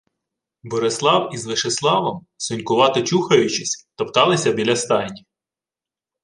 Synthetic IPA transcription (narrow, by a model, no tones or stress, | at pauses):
bɔɾɪslˠɑwizʋɪʃeslˠɑʋɐm | sʊnʲkʊʋɑt̪ɪt͡ʃuxɐjʊt͡ʃɪsʲt̪ɔpt̪ɑlˠɪsʲɐbʲilʲɐst̪ɑjnʲi